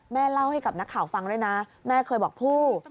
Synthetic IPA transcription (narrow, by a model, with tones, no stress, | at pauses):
mɛː˥˩la˥˩wha˥˩jka˨˩p̚na˦˥kʰːaː˩˦wfa˧ŋɾuː˥˩jna˦˥mɛː˥˩kʰɤː˧jbɔː˨˩k̚pʰuː˥˩